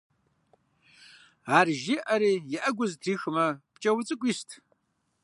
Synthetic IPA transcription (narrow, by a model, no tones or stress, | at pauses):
aːrʒɪʔɐɾiːjɪʔɐɡʷʊztʰriːxɨmɐpt͡ʃʼɐwt͡sʼɨkʷʼiːstʰ